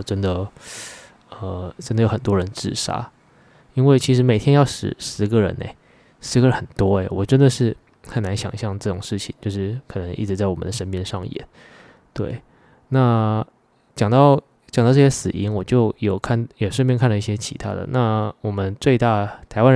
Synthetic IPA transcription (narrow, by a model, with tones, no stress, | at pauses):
ʈ͡ʂə˥nd̪ə˨ | ə˧˩ʈ͡ʂə˥nd̪ə˨jo˧˥ʊxə˨˩nt̪wɔ˥ɻə˧˥nʈ͡ʂɻ̩˥˩ʂa̰˥ | i˥nwe˥˩t͡ɕʰi˧˥ʂ̬ɻ̩˧˥me˨˩ɪt̪ʰjɛ˥njɑ˥˩ʊʂɻ̩̰˨˩˦ʂɻ̩˧˥ɡə˨ɻə̰˧˥˦nḛ˧ɪ | ʂɻ̩˧˥ɡə˧ɻə˧˦nxə˨˩nt̪wɔ˥ḛ˨˩wɔ˨˩ʈ͡ʂə˦˥nd̪ə˨ʂɻ̩˥˩ | xə˨˩nna˧˥nɕjɑ̰˨˩ŋɕjɑ˥˧ŋʈ͡ʂɤ˥˩ʈ͡ʂʊ˨˩ŋʂɻ̩˥˩t͡ɕʰḭ˨˩ŋt͡ɕjo˥˧ʂɻ̩˥˩kʰɤ˨˩nɤ˧˦ŋi˥˩ʈ͡ʂɻ̩˧t͡sa˥˩ɪwɔ˨˩ə̰˦nd̪ə˩ʂə˥npjɛ˥˧nʂɑ˥˩ŋjɛ̰˨˩˦n | t̪we˥˩ɪ | na˥˩ | t͡ɕjɑ˨˩ŋt̪ɑ˥˩ʊ | t͡ɕɑ˨˩ŋt̪ɑ˥˧ʊʈ͡ʂɤ˥˩ɕjɛ˥sɹ̩˨˩i˧˥ŋwɔ˨˩t͡ɕjo˥˩ʊjo˨˩ʊkʰa˥˩njɛ˨˩ʂə˥˧pjɛ˥˧ŋkʰa˥˩nd̪ə˩i˥˩ɕjɛ˥t͡ɕʰḭ˧˥t̪ʰa̰˥d̪ə̰˨˩na˥˩wɔ˨˩mə˦nt͡swe˥˧ɪt̪a˥˩t̪ʰa˧˥ɪwa˥n˧